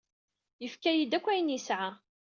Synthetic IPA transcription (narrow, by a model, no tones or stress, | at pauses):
jəfkæjid̪ækʷːæjənisʕa